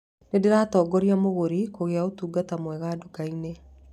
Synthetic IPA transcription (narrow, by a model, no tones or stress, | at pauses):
nedeɾaːtɔːɡɔɾiamoɣoɾikoɣeaotuːɡatamwɛɣaːdokaine